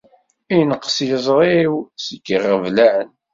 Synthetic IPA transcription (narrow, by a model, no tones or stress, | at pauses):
ijnəqːsjəzˤɾˤiwsikːərːəvlæʕən